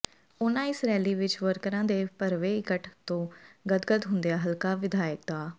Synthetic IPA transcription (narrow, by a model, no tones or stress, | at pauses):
ʊnãːɪsɾɛːliːʋɪt͡ʃʋəɾkəɾãːd̪eːpəɾʋeːɪkəʈt̪õːɡəd̪ɡəd̪ɦʊnd̪eaːɦəlkaːʋɪd̪aːjək̚d̪aː